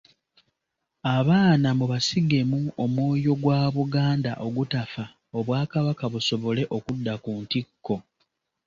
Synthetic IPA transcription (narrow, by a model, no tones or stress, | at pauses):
aβaːnamuβasiɡe̞muo̞mwoːjo̞ɡwaːβuɡaːndaʔo̞ɡutafa | o̞βwaːkaβakaβuso̞βo̞le̞ʔo̞kudːakuːntikːo̞